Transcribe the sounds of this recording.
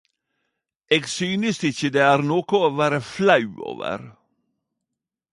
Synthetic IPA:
eːɡsyːnəst̪ɪçəd̪eːæːɾnoːkʊoːʋæːɾəflɑʉo̰ːʋə̰ɾ

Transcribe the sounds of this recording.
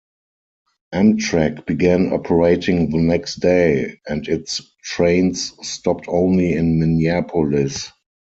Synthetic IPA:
ʔæ̃mtʰɹækb̥iɡæ̃nɔ̰pʰəɹeɪtɪ̃ŋðənɛkstd̥eɪɛ̃ndɪtstʰɹẽɪ̃nsːtɔp̚tʰõʊ̃nliɪ̃nmɪniæpʰɔlɪs

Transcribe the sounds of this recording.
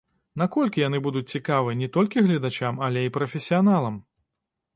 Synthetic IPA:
nakɔlʲkʲijan̪ɨbud̪ut͡sʲt͡sʲikavɨnʲɛt̪ɔlʲkʲiɣlʲɐd̪at͡ʃamɐlʲɛipɾɐfʲɛsʲijanalˠɐm

